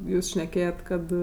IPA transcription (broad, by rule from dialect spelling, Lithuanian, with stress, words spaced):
ˈjuːs ʃʲnʲɛˈkʲeːjɛt ˈkɐt